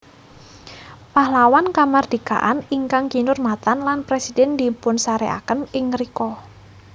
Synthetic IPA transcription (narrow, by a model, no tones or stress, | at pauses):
pahlawankamard̥ika̰ʔaniŋkaŋɡinʊrmat̪anlanpɾesidɛnd̪i̤pʊnsaɾeʔa̰kənɪŋɾikɔ